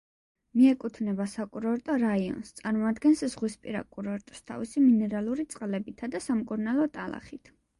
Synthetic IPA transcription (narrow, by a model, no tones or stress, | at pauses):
miɛkʼut̪ʰnɛbasakʼuɾɔɾt̪ʼɔɾaiɔ̰nst̪sʼaɾmɔad̪ɡɛnsz̥ʁwispʼiɾa̰kʼuɾɔɾt̪ʼst̪ʰa̰visiminɛɾalˠuɾit̪sʼqʼlɛbit̪ʰad̪asamkʼuɾnalˠɔt̪ʼalˠa̰χit̪ʰ